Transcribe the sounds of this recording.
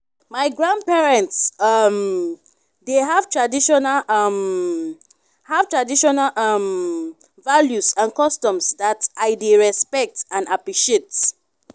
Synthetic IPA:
maɪɡɹãnd̚pɛɹɛ̃ntsʌm | deɦav̥tʰɹadiʃɔnalʌm | hav̥tɹadiʃɔnalʔʌm | valjusãnkɔstɔ̃msdatʔaɪdeɹɛspɛk̚tãnapɹiʃiet

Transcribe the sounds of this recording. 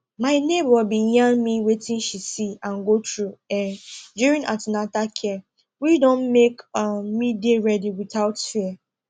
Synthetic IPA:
maɪnebɔbĩjãnmiwetĩnʃisiãnɡotɹuɛnduɹĩnʔatãnatakʰjɛ | widõnmekmideɹɛdiwiθaʊtfiɛ

